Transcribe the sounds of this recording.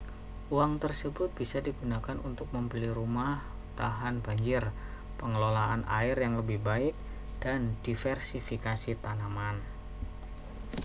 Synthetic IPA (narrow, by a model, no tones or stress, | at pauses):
uaŋt̪ərsəbʊt̪̚b̥isadiɡunakanṵnt̪ʊk̚məmbəliɾumah | t̪aɦanbaɲd͡ʒɪr | pəŋəlolaanʔa̰ɪrjaŋləbɪhbaɪk̚ | d̥andifɛrsifikasit̪anaman